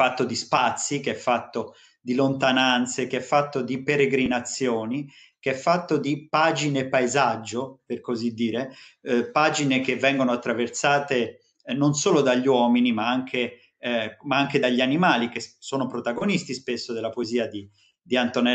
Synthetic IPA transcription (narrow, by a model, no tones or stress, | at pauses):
fat̪ːod̪ispat̪sːikeɛfːat̪ːo | d̪ilont̪anant̪sekeɛfːat̪ːod̪ipeɾeɡɾinat̪sːjoːni | keɛfːat̪ːod̪ipaːd͡ʒinepːaezad͡ʒːoperkozid̪ːiːɾepaːd͡ʒinekevːɛŋɡonoat̪ːɾaversaːt̪e | nonsoːlod̪aʎːwɔːminimaaŋkʰe | maaŋk̟ed̪aʎːianimaːlik̟essːoːnopɾot̪aɡonist̪ispesːod̪elːapoeziːad̪i | d̪iant̪onɛ